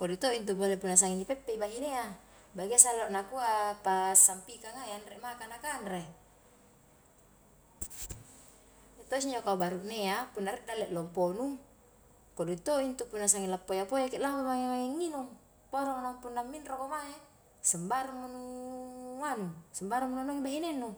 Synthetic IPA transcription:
kodut̪oint̪ubolepunːas̬aŋinipɛpːeibaɦinea | baɡiasaloʔnakuapasampikaŋajanɾeʔmakanakanreʔ | et̪os̬iɲd͡ʒokaubaɾuʔneapunːaɾeʔdalɛʔlɔmponu | koduit̪oint̪upunːas̬aŋilapːojapojakeʔlawamaŋemaeŋːinuŋ | poɾoŋnampunːamːinrokomae | səmbaɾumːonu | anusəmbaɾumːunonoŋibaɦinenːu

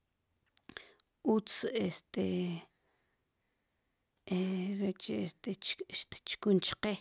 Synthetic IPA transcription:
ut͡sest̪e | ɾet͡ʃeest̪eʃt̪tt͡ʃkunt͡ʃqe

